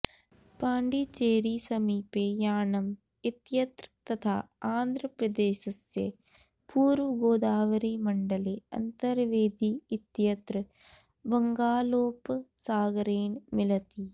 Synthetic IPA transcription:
paːɳɖit͡ʃeːɾisɐmiːpeːjaːnɐm | it̪jɐt̪ɾt̪ɐt̪ʰa̰ːaːnd̪ʱɾɐpɾɐd̪eːʃɐsjḛ | puːɾʋɐɡoːd̪aːʋɐɾimɐɳɖɐleːɐ̰nt̪ɐɾʋeːd̪iːt̪jɐt̪ɾɨ | bɐŋɡaːloːpsaːɡɐɾeːnmilɐt̪i

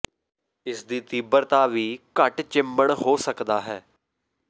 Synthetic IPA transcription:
ɪsd̪iːt̪iːbəɾt̪aːʋiːkəʈt͡ʃɪmbəɳɦoːsəkd̪aːɦɛː

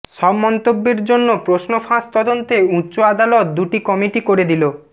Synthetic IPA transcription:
ʃɔbmɔnt̪obːeɾd͡ʑonːopɾosnofast̪ɔd̪ont̪eutːɕoad̪alɔt̪̚d̪uʈikɔmiʈikoɾed̪ilo

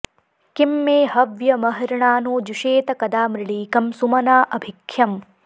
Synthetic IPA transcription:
kimːeːhɐʋjɐmɐɦɐɾɐɳaːnoːd͡ʒuʃeːt̪ɐkɐd̪aːmɾɪɭiːkɐmsumɐnaːʔɐbʱikʰjɐm

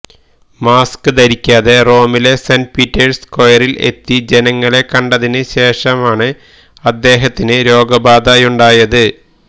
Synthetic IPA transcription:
maːskɨd̪ɐɾikʲːaːðe̞ro̞ːmile̞sɐnpitːɐrskojɐrile̞̰t̪ːid͡ʑe̞nɐŋːɐɭe̞kːɐɳɖɐðinɨɕe̞ːʂɐmaːɳɨ | ɐd̪ːe̞ːɦɐt̪ːinɨɾo̞ːɡɐbaːd̪ɐjuɳɖaːjɐðɨ

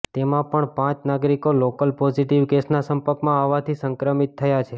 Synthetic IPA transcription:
t̪emãpəɳpãt͡ʃnaɡɾikolokəlpɔziʈiʋɡesnasəmpəɾkmãaʋːat̪ʰisəŋkɾəmit̪ʰːəjat͡ʃʰe

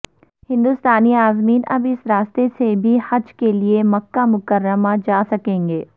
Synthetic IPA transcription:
hɪ̃nd̪ʊst̪aːniaːzmiːnɐbɪsɾaːst̪esebʱihɐd͡ʒkeliemɐkːamʊkəɾːəmad͡ʒaːsɐkẽːŋɡeː

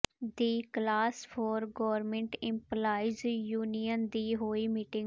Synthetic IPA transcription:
d̪iːklaːspʰɔːɾɡɔːʋəɾmẽɳʈɪ̃mplaːizjuːnijənd̪iːɦoːiːmiːʈɪ̃ŋɡ

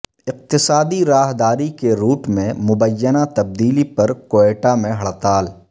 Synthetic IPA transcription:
ɪq̚t̪ɪsaːd̪iɾaːɦd̪aːɾikeɾuːʈmẽmʊbəjːənat̪ɐb̚d̪iːlipɐɾkoːeːʈamẽɦɐɭt̪aːl

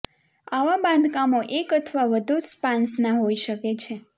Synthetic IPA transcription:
aʋabãnd̪ʱkamoʔekət̪ʰʋaʋəd̪ʱuspãnsnaɦoiʃəket͡ʃʰe

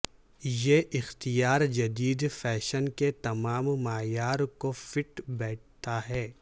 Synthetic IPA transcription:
jeʔɪxt̪ijaːɾd͡ʒɐd̪iːd̪fɛːʃənket̪ɐmaːmːaːjaːɾkofɪʈbɛːʈ̚ʰt̪aɦɛː

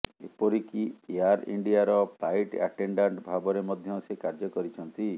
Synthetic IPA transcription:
ḛpɔɾikieaɾḭɳɖiaɾɔpʰajʈa̰ʈeɳɖaɳʈbʱabɔɾemɔd̪ʱjɔsekaɾd͡ʒɔkɔɾit͡ʃʰɔnt̪i

